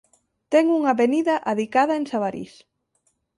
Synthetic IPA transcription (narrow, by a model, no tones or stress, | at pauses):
t̪ɛŋuŋaβeniðɐʔaðikað̞ɐeŋsaβaɾḭs